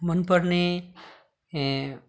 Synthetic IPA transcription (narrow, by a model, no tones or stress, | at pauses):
mʌnpəɾne